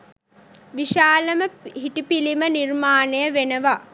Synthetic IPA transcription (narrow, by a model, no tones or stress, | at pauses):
ʋiʃaːləməhiʈipilimənirmaːnəjəʋenəʋa